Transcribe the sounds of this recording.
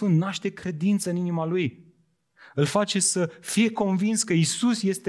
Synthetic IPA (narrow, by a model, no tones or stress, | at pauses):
unt̪naʃt̪e̞kɾe̞d̪int̪səɨninimaluj | ɨlfat͡ʃe̞səfije̞ko̞nvinskəisusje̞st̪e